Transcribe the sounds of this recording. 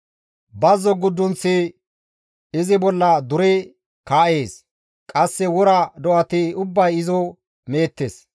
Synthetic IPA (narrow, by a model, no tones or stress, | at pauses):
bɐzːɔɡʊd̪ːʊnt͡sːɪ | ɪzɪbɔlːɐd̪ʊɾɛ | kaːʔe̞ːs | kʼɐsːɛwɔɾɐd̪ɔʔɐt̪ɪʊbːɐjɪzɔ | meːt̪ːeːs